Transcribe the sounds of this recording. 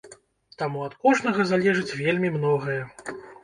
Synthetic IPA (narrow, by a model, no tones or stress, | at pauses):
t̪amuɐt̪kɔʐnɐɣɐzalʲɛʐɨt͡sʲvʲelʲmʲimnɔɣɐjɐ